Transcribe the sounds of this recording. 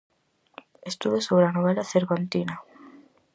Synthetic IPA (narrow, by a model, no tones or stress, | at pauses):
est̪uðosoβɾeanoβ̞ɛlaθeɾβant̪ina